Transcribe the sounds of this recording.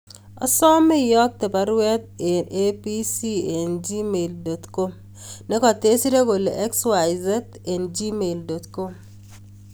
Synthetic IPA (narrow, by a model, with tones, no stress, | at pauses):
ɔ̰˨sɔ˦mɛ˦jɔ˦k̚t̪e˨pa˨ɾwɛ˦t̪̚e˨ne˦pi˦si˦e˨nd͡ʒi˦me˨ldo˨t̪ko˦m | ne˦kɔ˨te˦si˦ɾe˦ko˨le˨ʔɛ˦kswa˨jzɛ˦t | e˨nd͡ʒi˦me˨ldo˨t̪ko˦m